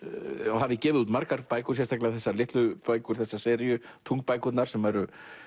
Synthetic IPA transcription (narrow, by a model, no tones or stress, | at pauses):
ɔɦavðɪcɛːvɪðuːt̪maɾkaɾpaːjkʏs̬jɛst̪ʰaklaθɛsːaɾlɪht̪lʏpaːjkʏɾ̥θɛsːḁsɛːɾijʏt̪ʰuŋk̚paːjkʏt̪naɾ̥sɛmvaɛɾʏ